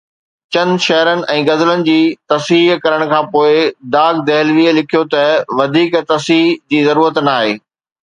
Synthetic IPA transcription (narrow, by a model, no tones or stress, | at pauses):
t͡ɕɐnʃɛɦɾənɪ̆ʔɛ̃ːɡɐzlənɪ̆d͡ʑiːt̪ɐsiɦkɐɾəɽ̃kʰãːpoːɪd̪aːɡd̪ɛɦɪlʋiːlɪkʰijot̪ɐʋɐd̪ʱiːkt̪ɐsid͡ʑiːzɐɾuːɾət̪naːɦeː